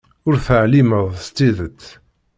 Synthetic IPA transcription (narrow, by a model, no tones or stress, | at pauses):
ʊɾθəʕliməðˤst̪ːiðət͡sː